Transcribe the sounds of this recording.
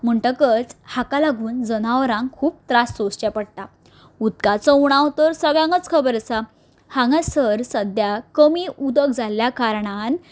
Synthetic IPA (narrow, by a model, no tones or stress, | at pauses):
m̤əɳʈəkət͡shakalaɡʱuːnd͡zənaʋɾãŋkʰuːp̚t̪ɾasːost͡ɕapəɽt̪a | ut̪kat͡sɔuɽ̃ãwt̪əɾsəɡjãŋɡət͡skʰəbəɾsa | hãŋɡasəɾsəd̪jakəmiːʔud̪əkd͡zʱaljakaɾɳ̃an